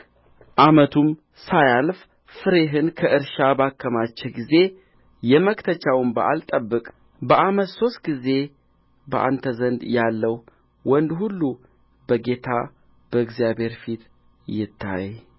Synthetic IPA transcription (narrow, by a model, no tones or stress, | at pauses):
ʔamət̪ʰum | sajalf | fɨɾe̞ɦɨnkʰəʔɨɾʃabakːəmat͡ʃːɛɡize̞ | jɛməkt̪ʰət͡ʃawɨmbəʔa̰lt̪ʼəbːɨkʼ | bəʔamət̪so̞st̪̚ɡize̞ | bəʔa̰nt̪ʰəzənd̪jalːəw | wɔnd̪hulːu | bəɡe̞t̪ʰa | b̥əɨɡzijabhe̞ɾfit̪ | jɪt̪ʰːa̰j